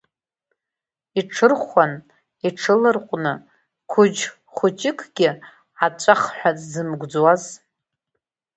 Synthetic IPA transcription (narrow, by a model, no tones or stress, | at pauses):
iʈ͡ʂʰɨrχʷan | iʈ͡ʂʰɨlɨrqʷʼnɨ | kʷʰʊd͡ʒ | χʷʊt͡ʃʼɪkʰʼɡ̥ʲɪ | at͡ʃʷʼaχħʷᶣat͡sʼzɨmɡʷd͡zwaz